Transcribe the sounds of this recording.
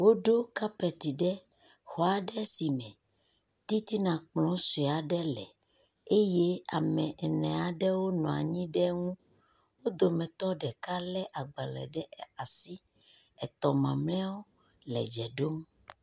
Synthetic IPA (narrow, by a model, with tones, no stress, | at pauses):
wo˦ɖo˦ka˦pɛ˨t̪i˨ɖɛ˦ | hɔ˨a˨ɖɛ˦si˨mɛ̃˨ | t̪i˦t̪i˦nã˨k͡plɔ̃˨˦se˨a˨ɖɛ˦lɛ˨ | e˦je˦a̰˨mɛ̃˨ʔɛ˨nɛ̃˨a˨ɖɛ˦wo˦nɔ̃˨a̰˨ɲĩ˦ɖɛ˦ŋũ˦ | wo˦d̪o˨mɛ̃˨t̪ɔ˦ɖɛ˨ka˦lɛ˦ʔa˨ɡ͡bɛ˨lɛ̰˨ɖɛ˦˨a˨si˦ | ɛ˨t̪ɔ˨mã̰˨mlɛ̃˦wo˦ | lɛ̰˨d͡ʒɛ˨ɖo˦m